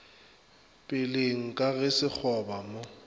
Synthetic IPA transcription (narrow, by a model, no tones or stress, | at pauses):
pʼɪleŋ̩kʼaɣɪsɪk͡xʰɔbamo